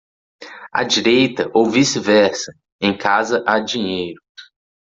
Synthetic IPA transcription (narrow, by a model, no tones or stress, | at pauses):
ɐ̰d͡ʒiɾejt̪ɐʔowvisɪvɛɾsɐ | ẽj̃kʰazɐʔad͡ʒĩɲejɾʊ